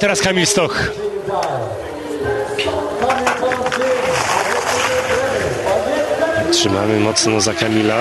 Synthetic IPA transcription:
t̪ɛɾaskamʲilst̪ɔx | tʂɘma̰mɘmɔt̪snɔzakamʲila

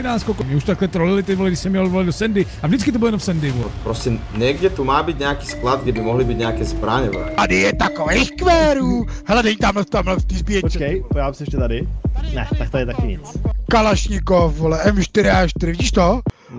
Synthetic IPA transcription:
naːskɔlkɔmɛuʃt̪t̪aklɛt̪ɾɔlilit̪ɛɔlɛɡdɪsɛmjɛlɔd̪ʋɔlad̪ɔsɛnd̪ɪ | avʒdɪtt͡skit̪ɔbɪlɔjɛnɔmsɛnd̪ɪvɔpɾɔscɛ | ɲɛɡɟɛt̪umaːbiɟɲɛakiːsklad̪̚ɡdɛbɪmɔɦlibiɟɲɛakɛːzbɾaːɲɔvɛ̰ːt̪adɪjɛt̪akɔvɛjxkʋɛːɾuːɦɛlɛdɛɲt̪amlɛft̪amlɛft̪izbijɛpot͡ʃkɛjpoaːbsiɛʃcɛt̪adɪnɛt̪ak̚t̪ɔɛt̪akɪɲɛt͡skalaʃɲikofolɛʔɛmʃt̪ɪɾɪaʃtt̪ɪɾɪviɟiːʃt̪o

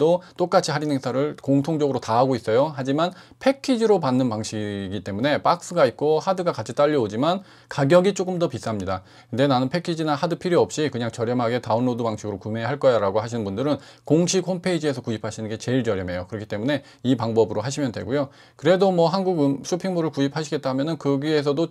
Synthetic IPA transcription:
dot͈ok͈at͡ɕʰiɦaɾinɦeŋsʰaɾɯɭkoŋtʰoŋd͡ʑʌɡɯɾotaɦaɡois͈ʌjoɦad͡ʑimanpʰe̞kʰid͡ʑiɾopanːɯnpaŋɕʰiɡit͈e̞mune̞p͈ak̚s͈ɯɡait̚k͈ohadɯɡakat͡ɕʰit͈aʎːiod͡ʑiman | kaɡjʌɡit͡ɕ͈ok͈ɯmdʌpis͈amɲida | nde̞nanɯnpʰe̞kʰid͡ʑinahadɯpʰiɾiʌp̚ɕ͈ikɯɲaŋt͡ɕʌɾjʌmɦaɡe̞taɯnːodubaŋɕʰiɡɯɾokumeɦaɭk͈ʌjaɾaɡoɦaɕʰinɯnmbundɯɾɯn | koŋɕʰikhompʰe̞id͡ʑie̞sʰʌkuipʰaɕʰinɯnɡe̞t͡ɕe̞iɭt͡ɕʌɾjʌme̞jokɯɾʌkʰi̥t͈emune̞ | ipaŋbʌbɯɾoɦaɕʰimjʌndwe̞̰ɡujo | kɯɾe̞domʌɦanɡuɡɯnɕʰopʰiŋmoɾɯɭkuɕipʰaɕʰiɡet̚t͈amjʌnɯnkɯɡie̞s̬ʰʌdo

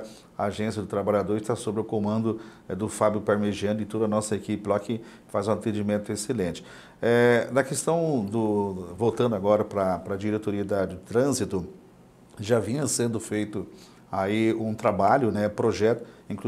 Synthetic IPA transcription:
ɐaʒẽsjɐd̪ʊt̪ɾabaʎad̪oɾɪst̪asobɾɪʊkomɐ̃nd̪ʊ | d̪ʊfabjʊpaɾmeʒiɐ̃nd̪ɪt̪od̪ɐnɔsɐekipɪlakɪ | fazũat̪ẽd͡ʒimẽnt̪ʊeselẽnt͡ʃɪ̥ | ɛnɐkest̪ɐ̃w̃d̪ʊvowt̪ɐ̃nd̪ʊaɡɔɾɐpɾɐpɾɐd͡ʒiɾet̪oɾiɐd̪ɐdɪt̪ɾɐ̃zit̪ʊ | ʒavĩɲɐsẽnd̪ʊfejt̪ʊ | aiũt̪ɾabaʎʊnɛpɾoʒɛt̪ʊ̥ĩk

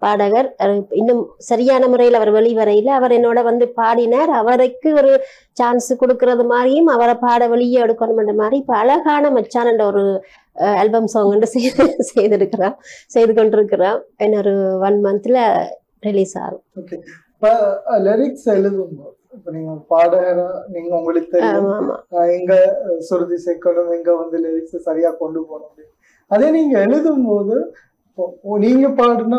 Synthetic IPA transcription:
paːɽɐɣɐɾɐɯɪnːɯmsɐɾɪjaːnɐmʊrɐjɪlɐʋɐɾʋɛɭiʋɐɾɐjɪlɐʋɐɾɛnːoːɽɐʋɐnd̪ɯpaːɽɪnɐɾɐʋɐɾɐɪkːɯɔɾɯ | t͡ʃaːnsɯkɔɽɯkːɯrɐðɯmaːdɾɪjɯmɐʋɐɾɐpaːɽɐʋɐɭɪjeɛɽɯkːɐɳɯmɛndrɐmaːd̪ɾiɪpːɐɐɭɐɣaːnɐmɐt͡ʃːaːnɐnɖɐɔɾɯ | ɐlbɐmsoːŋɡɐɳɖɯsɛjsɛjðɪɾɯkːɪrãːsɛjðɯkɔɳɖɪɾɯkːɪrãːɛnːɔɾɯʋɐnmɐnɐt̪ːɪlɐ | ɾɪliːsa̰ːɣɐ̃oːke | pːɐlɛɾɪksɛɻɯðɯmpoːðɯɪpːoːniːŋɡɐpaːɽɐɐnaniːŋɡɐʊŋɡɐɭɯkːɯt̪ːɛɪaːmã̰ːɛŋɡɐsʊɾɯðisɛːkːɐɳɯmɛŋɡɐʋɐnd̪ɯlɛɾɪkssɐɾɪjaːkɔɳɖɯpoːɳɯŋɡɐ | ɐðeːniːŋɡɐɛɭɯðɯmpoːðɯ | ɪpːoniːŋɡɐpaːɽɯnaː

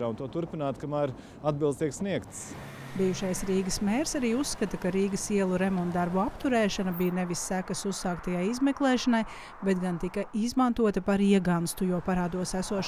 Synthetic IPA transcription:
aːunt̪uɔt̪uɾpinaːt̪kamaːɾ | ad̪̚bilˠd̪st̪iɛksniɛkt̪s | bijuʃajsɾiːɡəsmeːɾsaɾiːusːkat̪ɐkaɾiːɡəsiɛlˠuɾemɔnt̪d̪aɾbuapt̪uɾɛːʃanɐbijneʋisːækəsusːaːkt̪ajajizmɛklˠɛːʃanaj | bɛt̪ɡant̪ikɐizmant̪uɔt̪ɐpaɾiɛɡanst̪ujuːpaɾaːd̪uɔsæsuɔʃ

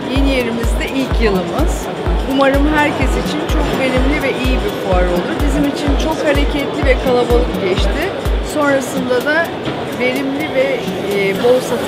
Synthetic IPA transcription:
jinje̞ɾimizd̪ɛʔilʲcʰjɯlˠɯmɯz̥ | umaɾɯmɦæɾcʰɛsit͡ʃʰint͡ʃʰo̞k̚be̞ɾʲimlʲivɛʔijibiɾpʰuaɾo̞lˠd̪ubizimit͡ʃʰint͡ʃʰo̞khaɾecʰɛt̪lʲivɛkʰalˠabalˠɯkɟɛʃt̪ʰɪ | so̞nɾasɯnd̪ad̪a | ve̞ɾimlʲivɛ | bo̞lˠsat̪

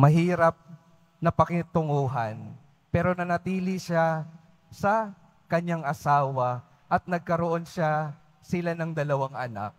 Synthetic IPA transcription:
mɐɦiːɾɐp̚ | nɐpɐkɪt̪ʊŋuːɦɐn | pɛːɾo̞nɐnɐt̪iːlɪʃa | sɐ | kɐɲːaŋʔɐsaːwɐ | ʔɐt̪̚nɐɡ̚kɐɾoʔo̞nʃa | sɪlanɐŋd̪ɐlɐwaŋʔɐ̰na̰k̚

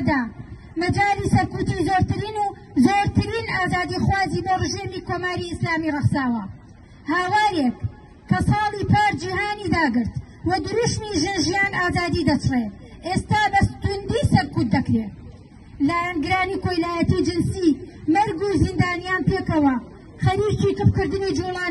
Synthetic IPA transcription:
d̪aː | mɐd͡ʒaːliːsɐɾkuːt̪iːzoːɾt̪ɨɾiːnuː | zoːɾt̪ɨɾiːnaːzaːd̪ixwaːziːboːrɨʒeːmiːkoːmaːɾiɪslaːmirɐχsaːwɐ | haːwaːɾekː | ɐsɑːlˠiːpʰaːɾd͡ʒihaːniːd̪aːɡɨɾt̪ | wɐd̪ɨɾuʃniʒenʒijaːnaːzaːd̪iːd̪ɐt͡ʃʰre | ʔest̪aːbɐst̪und̪isɐɾkut̪̚d̪ːɐkɾe | laːjanɡɨɾaːniːkojlaːjɐt̪id͡ʒɨnsiːmɐɾɡuzind̪aːnijaːnpeːkɐwɐ | χɐɾit͡ʃiːk̪ɨp̚kɨɾd̪ɨnid͡ʒulˠaːn

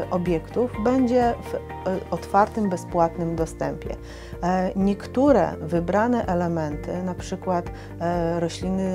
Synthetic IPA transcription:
ʔɔbʲjɛkt̪uvbɛɲd͡ʑɛv | ɔt̪faɾt̪ɘmbɛspwat̪nɘmd̪ɔst̪ɛmpʲjɛ̰ | ɲɛkt̪uɾɛ̰vɘbɾanɛʔɛlɛmɛnt̪ɘ̰napʂɘkwat̪ | ɾɔɕlʲinɘ

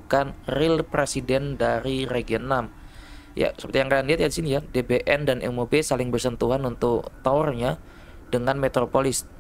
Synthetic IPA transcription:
kanrɪlpɾesidɛndaɾireɡiənam | ja̰səpərt̪ijaŋkadandiat̪̚jadisinijadebeʔɛndanʔɛ̰mobesalɪŋbərsənt̪uɦanunt̪ʊkt̪aɔrɲa | dəŋanmet̪ɾopolɪs

